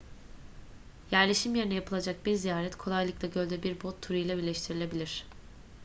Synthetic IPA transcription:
jæɾlʲeʃimjeɾinɛjapʰɯlˠad͡ʒak̚biɾzijaːɾɛt̪kʰo̞lˠajlˠɯklˠaɟø̞lʲd̪ɛbiɾbot̪ʰːuɾɯjlʲˠabilʲɛʃt̪ʰiɾilʲe̞bilʲiɾ̝̥

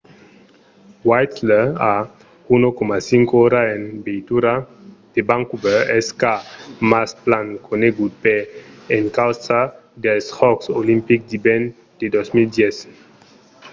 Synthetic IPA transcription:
wajt̪lea | unokomasiŋkooɾaenbejt̪uɾad̪̥ebãŋkubeeskamasplaŋkʰoneɡupeeŋkawsa | d̪elshɔksolimpik̚d̪iben | d̪̥ed̪osmild̪jes

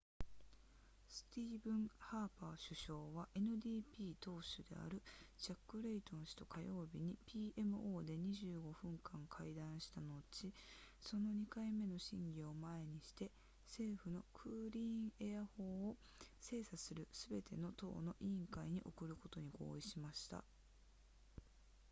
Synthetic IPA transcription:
sɨ̥t̪ʲiːbɯ̟̃ɴhaːpaːɕɨɕo̞ːβaʔe̞nɯ̟d̪ʲiːpʲiːt̪o̞ːɕɨd̪e̞̰a̰ɾɯ̟ʑakːɯ̟ɾe̞it̪õ̞ñɕi̥t̪o̞̥kʰajo̞ːbʲiɲ̟ipʲiːʔe̞mɯ̟ʔo̞ːd̪e̞ɲ̟iʑɨːɡo̞ɸɯ̟̃ŋkãŋkʰaid̪ãɰ̃ɕi̥t̪ano̞t͡ɕiso̞no̞ɲ̟ikaime̞no̞ɕḭ̃ŋɡʲio̞mae̞ɲ̟iɕi̥t̪e̞ | se̞ːɸɯ̟no̞kʰɯ̟ːɾʲiːɴejaho̞ːo | se̞ːsasɨɾɯ̟sɨbe̞t̪ʰe̞no̞t̪o̞̰ːno̞ʔĩŋkaiɲ̟iʔo̞kɯ̟ɾɯ̟ko̞t̪o̞ɲ̟iɡo̞̰ːiɕimaɕi̥t̪a̰

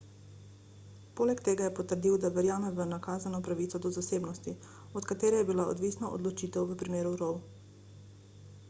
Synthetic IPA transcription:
poːlɛkt̪eːɡajɛpɔt̪əɾd̪iːwd̪aʋɛɾjaːmɛʋənakaːzanɔpɾaʋit̪sɔd̪ɔzaseːbnɔst̪i | ɔt̪kat̪eːɾɛjɛbilao̰d̪ʋiːsnaʔo̰d̪lɔt͡ʃiːt̪ɛwʋəpɾimeːɾuɾɔw

